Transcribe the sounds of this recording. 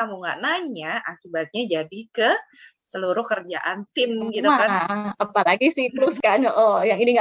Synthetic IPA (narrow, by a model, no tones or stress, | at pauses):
amuŋɡa̰ʔnaɲaʔakibat̪̚ɲad͡ʒadikə | səluɾʊhkərd͡ʒa̰ʔant̪ɪmɡit̪umakaapalaɡisɪht̪əɾuskanɔʔɔjaŋiniŋɡa